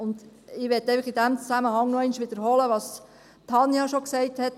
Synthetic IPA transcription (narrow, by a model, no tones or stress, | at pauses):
ʊnd̪ | ɪʋɛt̪ːɛɪfəχɪdæmt͡sæməhɑŋnoɛɪnʃʋɪd̥̪əɾhɔləʋɑːs | t̪ʰɑnjɑʃoksɛɪthɛt